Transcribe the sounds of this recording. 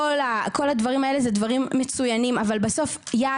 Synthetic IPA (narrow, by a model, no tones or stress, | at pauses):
olako̞ladvaʁimae̞lezedvaʁimːet͡sujanimavalbaso̞f | ja